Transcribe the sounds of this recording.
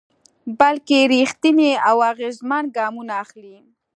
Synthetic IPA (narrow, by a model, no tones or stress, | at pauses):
balkeɾixt̪ineawaɣezmanɡɑmunaːxli